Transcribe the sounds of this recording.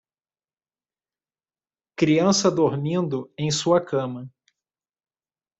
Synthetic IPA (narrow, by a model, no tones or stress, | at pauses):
kɾiɐ̃sɐd̪oɾmĩnd̪ʊẽj̃suɐkɐ̃mɐ